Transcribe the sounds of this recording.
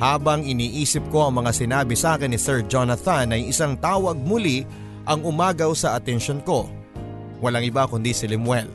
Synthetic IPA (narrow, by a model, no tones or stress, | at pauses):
haːbɐŋɪniːʔiːsɪp̚ko̞ʔɐŋmɐŋasɪnaːbɪsaːkɪnːɪsɛɹd͡ʒonɐθɐnːɐjɪsaŋt̪aːwɐɡ̚mʊli | ʔɐŋʊmaːɡɐwsɐʔɐt̪ɛnʃonko̞ | wɐlaŋʔɪbakʊnd̪isɪlɪmwɛl